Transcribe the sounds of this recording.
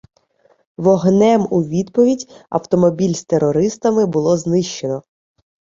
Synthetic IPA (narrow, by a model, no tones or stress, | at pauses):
ʋɔɦnɛmuʋʲid̪pɔʋʲidʲɐ̰wt̪ɔmɔbʲilʲst̪eɾɔɾɪst̪ɐmɪbʊlˠɔznɪʃt͡ʃe̞nɔ